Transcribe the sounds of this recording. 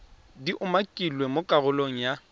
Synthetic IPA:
diʔʊmakʼilwemokʼaɣʊloŋ̩ja

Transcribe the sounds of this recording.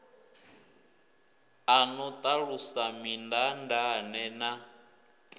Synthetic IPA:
anɔt̪ʼaɺusamindandanɛna

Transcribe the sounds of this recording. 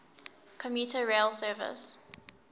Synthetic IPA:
kʰɔmjuˑtəɹeːlsɜːvɪ̰s

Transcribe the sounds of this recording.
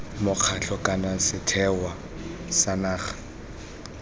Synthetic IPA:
mʊq͡χʰaɬʰɔkʼanasɪtʰɛwa | sanaːχḁ

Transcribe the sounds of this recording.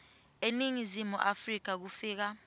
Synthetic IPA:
eniŋizimṵʔafrik̬ak̬ufiːk̬a

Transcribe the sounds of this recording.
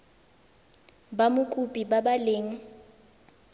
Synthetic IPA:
bamʊkʼupʼibabaleːŋ̩

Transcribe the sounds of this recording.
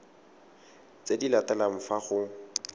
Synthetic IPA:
t͡sedilatalam̩faχʊ

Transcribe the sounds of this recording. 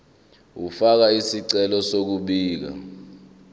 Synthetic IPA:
ufak̬aisiǀɛlɔsok̬uɓiːk̬a̰

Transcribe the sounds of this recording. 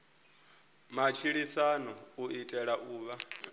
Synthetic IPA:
mat͡ʃʰiɺisanɔuʔitʼɛɺaʔuːβa

